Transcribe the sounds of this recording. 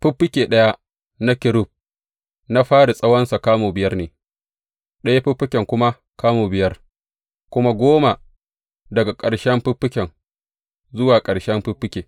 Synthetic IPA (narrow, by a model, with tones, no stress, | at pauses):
ɸʊ˦pːɪ˦kʲeː˨ɗɐ˦ja˦ | na˦kʲɪ˨ɾʊ˦˨b̚ | na˦ɸaː˦ɽi˨sʼɐ˦wɐ˦nsa˨kaː˦moː˨bɪ˨jɐ˦rneː˨ | ɗɐ˦ja˦ɸɪ˦ɸːɪ˦kʲɛ˨ŋkʷʊ˦ma˦ | kaː˦moː˨bɪ˨jɐ˦r | kʷʊ˦ma˦ɡʷoː˦ma˨ | dɐ˨ɡa˨kʼɐ˨ɽʃɛ˦mɸɪ˦pːɪ˦kʲɛ˨ŋ | zʊ˦waː˨kʼɐ˨ɽʃɛ˦mɸɪ˦ɸːɪ˦kʲeː˨